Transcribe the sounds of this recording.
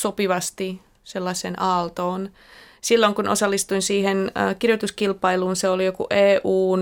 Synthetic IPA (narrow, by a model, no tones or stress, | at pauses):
sopiʋɑst̪i | selːɑsˑenɑːlt̪oːn | silːoŋkunʔo̰sɑlːist̪uinsiːhenːkirjot̪uskilpɑiluːnseolijokṵʔeːʔuːn